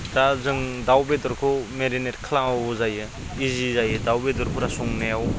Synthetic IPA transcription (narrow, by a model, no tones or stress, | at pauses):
dazɯŋdawbedɔɾkʰumeɾineɾkʰlaŋawuzajɯ | izizajɯdawbedɔɾkʰuɾasɔŋnejaw